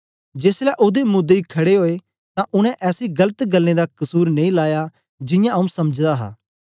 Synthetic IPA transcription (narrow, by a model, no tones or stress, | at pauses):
d͡ʒeːslɛʔoːd̪emʊd̪ːeikʰɐɽeɦoːe | t̪ãʔʊɽ̃ɛ̃ʔɛːsiɡɐlət̪ɡɐlːned̪akɐsuːɾnẽĩlaːja | d͡ʒɪ̃jãɐũsɐməd͡ʒd̪aɦa̰ː